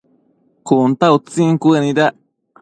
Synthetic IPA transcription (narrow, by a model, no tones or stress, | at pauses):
kunt̪aut͡siŋkuenida